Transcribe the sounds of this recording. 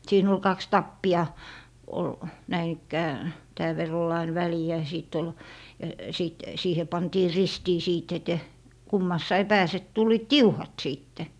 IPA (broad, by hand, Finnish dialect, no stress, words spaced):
siːn ol kɑks tɑpːiɑ ol næin ikːæː tæːʋ ʋerː ol ɑin ʋæliæ jɑ siˑt ol jɑ siˑt siːhe pɑntiː ristiː siːt ete kumːɑsːɑi pæːse tulˑiːt tiuhɑt siˑtːe